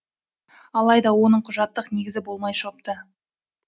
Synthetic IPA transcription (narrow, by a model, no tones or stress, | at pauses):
ɑlˠɑjd̪ɑwo̞nəɴqʰʊʒɑt̪ːəqne̞ɡʲɪzɪbo̞lˠmɑjʃop̚t̪ə